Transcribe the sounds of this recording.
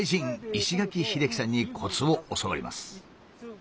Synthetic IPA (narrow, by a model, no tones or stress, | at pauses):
iʑĩŋiɕiɡakʲiçiɾe̞kʲi̥sãɲ̟ːikʰo̞t͡sɨo̞osoβo̰ɾʲḭma̰sɨ̥